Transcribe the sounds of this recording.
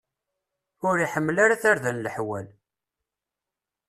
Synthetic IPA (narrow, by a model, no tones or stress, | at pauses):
ʊɾiħəmːlaɾaθaɾðænləħwæl